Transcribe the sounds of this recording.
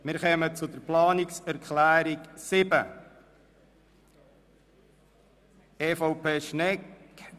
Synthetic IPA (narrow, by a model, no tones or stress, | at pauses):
mɪɾχœmət͡sʊd̪əɾplɑːnɪksæɾkʰlæːɾiksɪbə | eːfoʊpʰeːʃnɛk